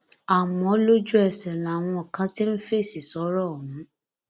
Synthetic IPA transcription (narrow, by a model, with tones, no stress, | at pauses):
a˨mɔ̃˨˦lo˦d͡ʒu˦ɛ˨sɛ˨la˨w̃ɔ̃˧ɔ˨kã˧˦ti˦n̩˦fe˦˨si˨sɔ˨˦ɾɔ˦˨ɦũ˨˦